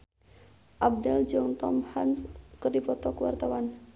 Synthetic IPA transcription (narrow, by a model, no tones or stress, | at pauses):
ʔab̚dɛld͡ʒɔŋt̪ɔmhanskərdipɔt̪ɔkəwa̰rt̪awan